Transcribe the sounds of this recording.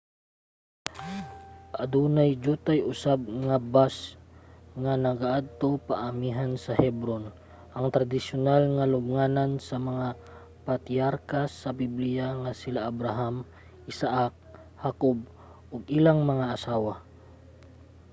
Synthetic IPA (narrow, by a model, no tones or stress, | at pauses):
ʔɐd̪unajd͡ʒut̪ajʔʊsab̚ŋabas | ŋɐnɐɡaʔad̪̚t̪o̞paʔɐmiɦansɐhɛbɾon | ʔɐŋt̪ɾɐd̪ɪsʊnalŋɐlʊbŋaːnansɐmɐŋa | pat̪iaɾkasɐbiblɪjaŋasɪlaʔabɾaɦam | ʔɪsaʔak̚ | hakob̚ | ʔoɡɪlaŋmɐŋaʔɐsaːwa